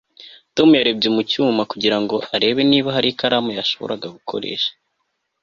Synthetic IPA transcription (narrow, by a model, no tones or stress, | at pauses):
to̞mujaɾe̞b̚ɟemucuːmakuɟiɾaŋɡo̞ʔaɾe̞βe̞niːβaɦaɾikaɾamujaʃo̞βoɾaɡaɡukʰo̞̰ɾe̞̰ːʃḁ